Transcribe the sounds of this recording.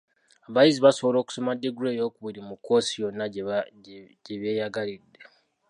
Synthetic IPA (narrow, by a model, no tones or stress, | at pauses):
aβajiziβaso̞βolo̞ːku̥so̞madːeɡɾeːjo̞ːkuβiɾimuko̞ːsijo̞nːa | ɟeβje̞ːjaɡalidːe